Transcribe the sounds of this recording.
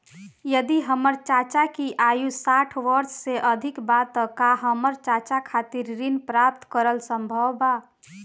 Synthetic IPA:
jəd̪iɦəməɾt͡ʃat͡ʃakiʔajusaʈʰʋəɾsseʔəd̪ʱɪkbat̪ːɔkaɦəməɾt͡ʃat͡ʃakʰat̪iɾːinpɾap̚t̪kəɾəlsə̃mbʱəwba

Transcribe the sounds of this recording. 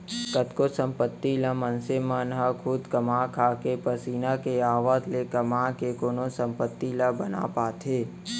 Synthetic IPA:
kət̪kosə̃mpət̪ːiləmənsemənɦəkʰʊd̪kəmaːkʰaːkepəsiːnakeaːʋaːt̪lekɐmãːkekoːnõsə̃mpət̪ːiləbəna̰paːt̪ʰɦeː

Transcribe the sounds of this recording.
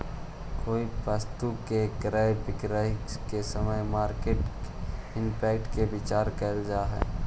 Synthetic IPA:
koːipəst̪ukekɾəbɪkɾəkesəməjmaːɾkeːʈ | ɪmpɛːkʈkebɪt͡ʃaːɾkəɾd͡ʒaːɦɛ̰ː

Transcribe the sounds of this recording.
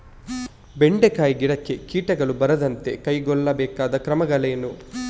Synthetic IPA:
be̞ɳɖekaːjiɡiɽɐkːe̞kiːʈɐɡɐɭubɐɾɐd̪ɐnt̪e̞kɐjɡɔɭːɐbɛːkaːd̪ɐkɾɐmɐɡɐɭejɐnu

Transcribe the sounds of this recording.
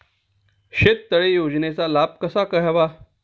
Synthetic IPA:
ɕet̪ːəɭejod͡znet͡salab̚kəsakəɦaʋa

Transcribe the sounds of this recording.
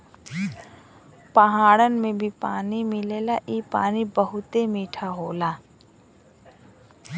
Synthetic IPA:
pəɦaːɽənmẽbʱipaːnimɪleːlaʔiːpa̰ːnibəɦʊt̪emiːʈʰaɦoːlaː

